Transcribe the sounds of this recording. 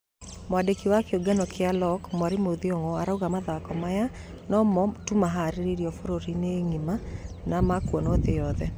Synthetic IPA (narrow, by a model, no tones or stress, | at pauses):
mwadekiwakeoɡɛnɔkealɔkmaɾimoðioŋɔaɾauɣamaðakɔmaja | nɔmɔtumaɦaɾiɾiɾijɔfoɾoɾineŋima | namakwɔnoðejɔðɛ